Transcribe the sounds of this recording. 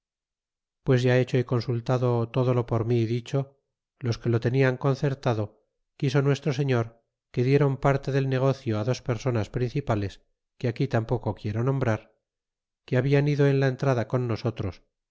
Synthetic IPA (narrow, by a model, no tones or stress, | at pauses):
pwe̞zʝae̞t͡ʃo̞iko̞nsult̪aðo̞t̪o̞ðo̞lo̞po̞ɾmiðit͡ʃo̞ | lo̞ske̞lo̞t̪e̞niaŋko̞nθe̞ɾt̪aðo̞ | kiso̞nwe̞st̪ɾo̞se̞ɲo̞ɾ | ke̞ðje̞ɾo̞mpaɾt̪e̞ðe̞lne̞ɣ̞o̞θjoaðo̞spe̞ɾso̞naspɾin̟θipale̞s | keakit̪ampo̞kokje̞ɾonõ̞mbɾaɾ | keaβianiðoe̞nlaent̪ɾaðako̞nːo̞so̞t̪ɾo̞s